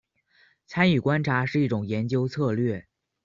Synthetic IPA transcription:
t͡sʰa˥ny˨˩kwa˥nʈ͡ʂʰa˧˥ʂɻ̩˥˧i˥˩ʈ͡ʂʊ˨˩ŋjɛ˧˥nt͡ɕjo˥ʊt͡sʰɤ˥˧lɥɛ˥˩

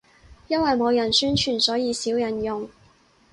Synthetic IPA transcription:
jɐ˥nwɐ˨jmo˨˧wjɐ˨˩nsyː˥nt͡ʃʰyː˨˩nsɔː˨˥jiː˨˧siː˨˥wjɐ˨˩njʊ˨ŋ

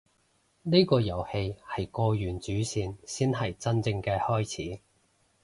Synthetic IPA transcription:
ni˥kɔː˧jɐ˨˩whe˧jhɐ˨jkɔː˧jyː˨˩nt͡ʃyː˨˥siː˧nsiː˥nɦɐ˨jt͡sɐ˥nt͡sɪ˧ŋkɛː˧hɔː˥jt͡sʰiː˨˥

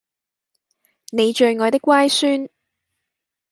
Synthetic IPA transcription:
ne˨˧jt͡ʃɵ˨˧ɥŋɔː˨˧jt̪ɪ˥kʷːwaː˥jsyː˥n

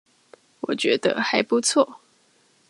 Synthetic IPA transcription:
wɔ˨˩t͡ɕɥɛ˧˥d̪ə̰˧xa˧˦ɪpu˧˦t͡sʰwɔ˥˨

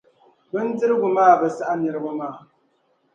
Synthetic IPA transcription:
bɨ˦n̩˦d͡zɨ˦ɾɨ˦bu˨maː˦˨bɨ˦˨sa˦ʔa˦ni˨ɾɨ˦bɨ˦maː˦˨

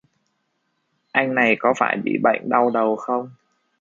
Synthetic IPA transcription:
ʔa˧jŋ̟na˨˩jkɔ˨˦faː˧˩jɓḭ˧˨˩ɓa̰˧˨jŋɗa˧wɗə˨˩wxə˧wŋ͡m

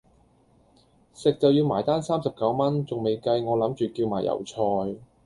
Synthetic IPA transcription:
sɪ˨k̚t͡sɐ˨wjiː˧wmaː˨˩jt̪aː˥nsaː˥msɐ˨p̚kɐ˨˥wmɐ˥nt͡sʊ˨ŋme˨jkɐ˧jŋɔː˨˧lɐ˨˥mt͡ʃyː˨kiː˧wmaː˨˩jʔɐ̰˨˩wt͡sʰɔː˧j

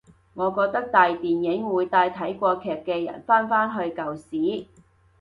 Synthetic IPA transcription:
ŋɔː˨˧kɔː˧k̚t̪ɐ˥k̚t̪aː˨jt̪iː˨njɪ˨˥ŋwuː˨˧jt̪aː˧jt̪ʰɐ˨˥jkʷɔː˧kʰɛː˨p̚kɛː˧jɐ̰˨˩nfaː˥nfaː˥nɦɵ˧ɥkɐ˨wsiː˨˥

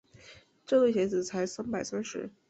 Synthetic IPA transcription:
ʈ͡ʂɤ˥˧lwe˥˩ɪɕjɛ˧˥t͡sɹ̩˨˩t͡sʰa˧˥ɪsa˥npa˨˩ɪsa˥nʂɻ̩˧˥

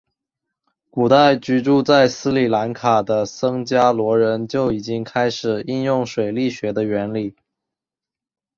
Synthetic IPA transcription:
ku˨˩t̪a˥˩ɪt͡ɕy˧˥ʈ͡ʂu˥˧t͡sa˥˩ɪsɹ̩˥li˨˩la˧˥nkʰa˨˩d̪ə˦sɤ˥ŋt͡ɕja˥lwɔ˧˥ɻə˧˥nt͡ɕjo˥˩ʊi˨˩t͡ɕi˥ŋkʰa˥ɪʂɻ̩˨˩i˥˧njʊ˥˩ŋʂwe˨˩ɪli˥˩ɕɥɛ˧˥d̪ə˧ɥɛ˧˥nli˨˩˦

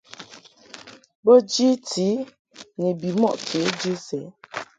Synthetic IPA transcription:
bo˦d͡ʒi˦tʰi˨˦ | ne˨bi˨mɔ̰˦˨ʔkʰe˨˦d͡ʒi˦sɛ˨˦

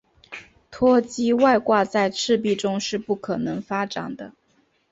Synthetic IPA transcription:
t̪ʰwɔ˥t͡ɕi˥wa˥˧ɪkwa˥˧t͡sa˥˧ɪʈ͡ʂʰɻ̩˥˧p̬i˥˩ʈ͡ʂʊ˥ŋʂɻ̩˥˧pu˥˩kʰɤ˨˩nɤ˧˥ŋfa˥ʈ͡ʂa˨˩ŋd̪ə˦

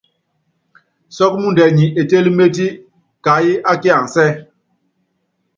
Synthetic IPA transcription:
sɔ˦k̚mu˦ndɛ˨ɲi˨ʔe˨te˦li˦me˦t̬i˦ | ka˨˦ji˦ʔa˦ki˦a˨ŋ˨sɛ˦

